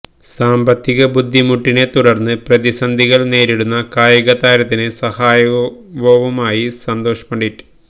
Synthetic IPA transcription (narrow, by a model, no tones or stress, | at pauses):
saːmbɐt̪ːiɣɐbud̪ʱːimuʈːine̞t̪uɽɐrnːɨprɐðisɐnd̪ʱiɣɐɭne̞ːɾiɽunːɐkaːjɐɣɐt̪aːɾɐt̪ːinɨsɐhaːjɐʋoʋɐmaːjisɐnd̪o̞ːʂɐ̥pɐɳɖiʈːɨ̥